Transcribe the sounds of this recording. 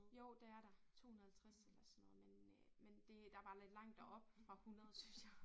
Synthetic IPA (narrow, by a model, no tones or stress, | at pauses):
jo̝ʊ̰d̥eæɐɾ̥ɑ̈t͡sʰo̝̰ːhunɐð̩ˠælt͡sʰʁaselɐsɒnːɔ̽ːð̩ˠmenmend̥e̝d̥ɑ̈ʋɑ̈le̝d̥lɑ̈ŋ̰d̥ɒʔɒ̽b̥fʁɑ̈hunɐððˠsynsjɑ